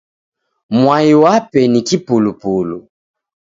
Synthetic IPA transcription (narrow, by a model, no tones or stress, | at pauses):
mwajiwapɛnikipolupolu